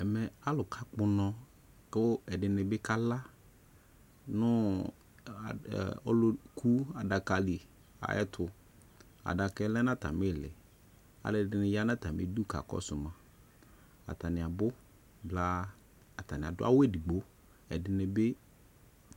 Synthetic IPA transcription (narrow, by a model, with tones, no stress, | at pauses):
ɛ˨mɛ˨a˦lʊ˨kʰa˦k͡pʊ˦nɔ̃˦ | kʊ˦ɛ˨dɪ˨nɪ˨bɪ˦ka˦la˦ | nʊ˦˨ | ɔ˦lʊ˦kʰu˦a˨da˨ka˨li˨ | a̰˨ʔɛ̰˦tʰʊ˨ | a̰˨da˨kɛ˦lɛ˦nã˦ta̰˨mɪ˦˨lɪ̰˨ | a̰˨lɪ˨dɪ˨nɪ˨ja˦nã˦ta˨mɪ̰˦du˦ka̰˨kɔ̰˦sʊ˨mã˨ | a̰˨ta˨nɪ̃˨a˨bʊ˦ | bla˦ | a˨ta˨nɪ̃˨a̰˨dʊ˦a̰˦we˦˨di˨ɡ͡bo˦ | ɛ̰˨dɪ˨nɪ˨bɪ˦